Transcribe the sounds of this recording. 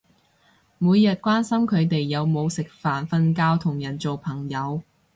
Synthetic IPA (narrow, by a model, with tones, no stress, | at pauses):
muː˨˧jjɐ˨t̚kʷwaː˥nsɐ˥mkʰɵ˨˧ɥt̪e˨jːɐ˨˧wmo˨˧wsɪ˨k̚faː˨nfɐ˧nkaː˧wt̪ʰʊ˨˩ŋjɐ˨˩nt͡so˨wpʰɐ˨˩ŋjɐ˨˧w